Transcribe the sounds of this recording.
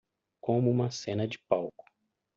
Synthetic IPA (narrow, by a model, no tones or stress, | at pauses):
kõmʊũmɐsẽnɐd͡ʒɪpawkʊ̥